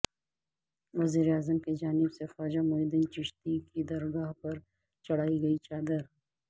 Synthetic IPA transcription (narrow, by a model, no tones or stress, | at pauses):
ʋɐziːɾeaːzəmked͡ʒaːnɪbsefɔːd͡ʒamʊid̪ɪnt͡ʃɪʃt̪ikid̪ɐɾɡaːɦpɐɾ | t͡ʃɐɽ̤aːiɡɐit͡ʃaːd̪əɾ